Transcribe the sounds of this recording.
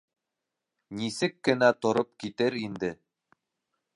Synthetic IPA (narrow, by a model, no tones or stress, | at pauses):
nisɘkːɘ̆næt̪ŏɾopkit̪ɘɾind̪ɘ